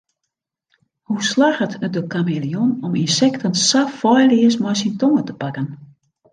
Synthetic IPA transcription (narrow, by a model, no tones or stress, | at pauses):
huslaxətʰədəkamelionɔminsɛktʰənsafɔjliəsmɔjsintoŋətəpakən